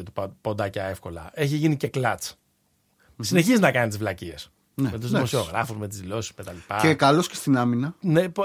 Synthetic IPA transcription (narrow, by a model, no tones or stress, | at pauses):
et̪upo̞nd̪ɐcɐe̞fko̞lɐ̰e̞çiʝinice̞klɐt͡s | sine̞çiznɐkɐnit̪izvlɐcies | nemet̪uzðmo̞sio̞ɣɾɐfuzme̞t̪̬izðilo̞sizmet̪ɐlipɐekɐloscest̪inɐminɐnep